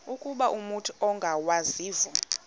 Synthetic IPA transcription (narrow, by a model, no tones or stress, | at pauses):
ukʼuɓaʔumutʰu̥ɔŋɡʱawaziːvu